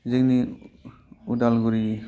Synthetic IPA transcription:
zeɡni | udalɡuɾi

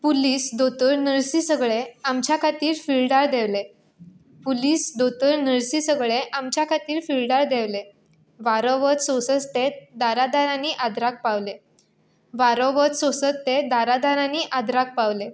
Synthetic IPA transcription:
puliːsd̪ot̪əɾnəɾsiːsəɡɭeamt͡ɕjakʰat̪iːɾfilɖaɾd̪eʋle | puliːsd̪ot̪əɾnəɾsiːsəɡɭeʔamt͡ɕjakʰat̪iːɾfilɖaɾd̪eʋle | ʋaɾɔʋət͡s̪sosət͡st̪ed̪aɾad̪aɾaniːʔad̪ɾak̚paʋle | ʋaɾɔʋət͡s̪sosət͡st̪ed̪aɾad̪aɾaniːʔad̪ɾak̚paʋle

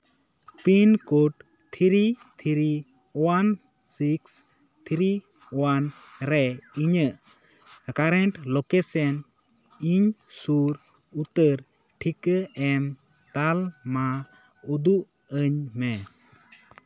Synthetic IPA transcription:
pinkuʈ | t̪ʰiɾit̪ʰiɾi | wan | siks | t̪ʰiɾi | wanɾɛiɲəʔ | kaɾɛɳʈlokesən | iɲsuɾ | ut̪əɾ | ʈʰikəɛm | t̪alma | ud̪uʔ | əɲmɛ

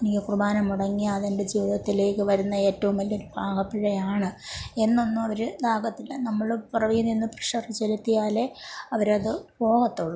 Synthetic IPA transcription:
enikʲːɨkrubaːnɐmuɽɐŋːiɐðende̞d͡ʑiːʋiðɐt̪ːile̞ːkːɨʋɐɾunːɐe̞ːtːɐʋumɐlːoɾubʱaːɡɐpːiɻɐjaːɳɨe̞nːo̞nːumɐʋɐɾɨd̪aːɡɐt̪ːilnɐmːɐɭprɐʋijuninːɨprɨʂɐrit͡ɕe̞lut̪ːijaːle̞ɐʋɐɾɐðɨbo̞ːɣɐt̪ːuɭːu

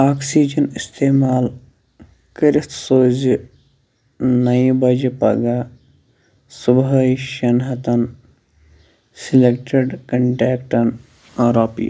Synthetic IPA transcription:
aːksiːd͡ʒɐnist̪eːmaːl | kɐɾɪt̪ʰsoːzi | nɐibɐd͡ʒipɐ̰ɡa | subɦɐjʃɐnɦɐt̪ɐn | silek̚ʈeɖkɐɳʈeːkʈɐn | ɐɾaːpḭj̰

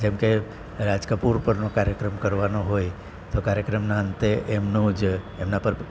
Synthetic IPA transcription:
d͡ʒɛmke | ɾad͡ʒkapuɾpəɾnokaɾjəkɾəmkəɾʋanoɦoj | t̪okaɾjəkɾəmnaənt̪eʔmnũd͡ʒ | emnapəɾ

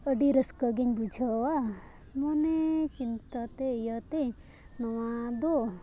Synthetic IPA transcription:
əɖiɾɐskəɡeɲbud͡ʒʱɐwa | monet͡ʃint̪at̪ejət̪e | nɐwad̪o

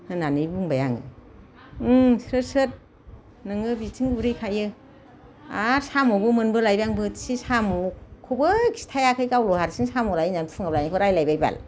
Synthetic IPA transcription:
hɯnanɯjbuŋbajaŋɯ̰ | sɾɯsɯt̚ | nɯŋɯbitʰɯŋbuɾɯjkʰajɯ | aɾsamobɯmɯnbɯlajbjaŋbɯtsisamukʰubɯkʰi̥stʰajakʰɯjkawlɔhaɾsʰiŋsamolainanpʰɯŋablajnakʰɯɾajlajbajba̰l

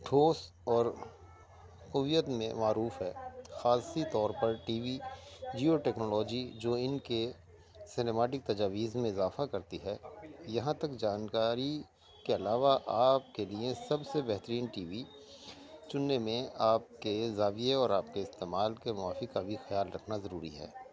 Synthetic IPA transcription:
ʈʰoːs | ɔːɾ | kʊʋijət̪mḛ̃maːɾuːfɦɛːxaːsit̪ɔːɾpɐɾʈiːʋid͡ʒioʈɛːknoːlɔːd͡ʒid͡ʒoːɪnke | sɪneːmaːʈɪk̚t̪ɐd͡ʒaːʋiːzmẽɪzaːfakɐɾt̪iɦɛːjɐɦãt̪ɐkd͡ʒaːnkaːɾi | keɐlaːʋaʔaːp̚keliẽsɐbsebɛɦt̪əɾiːnʈiːʋi | t͡ʃʊnːemẽaːp̚kezaːʋijeɔːɾaːp̚keɪst̪eːmaːlkemʊaːfikabʱixɐjaːlɾɐkʰnazɐɾuːɾḭɦɛ̰ː

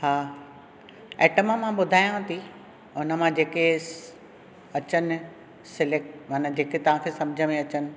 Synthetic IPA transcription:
haː | ɛːʈəmamãɓʊd̪ʱaːjãt̪ʰi | ʊnə̆mãd͡ʑeːke | ɐt͡ɕənɪ̆ | sɪlek̚ʈmaːnad͡ʑeːket̪ɐʋ̤ãkʰeːsɐ̃md͡ʑʱəmẽɐt͡ɕənɪ̆

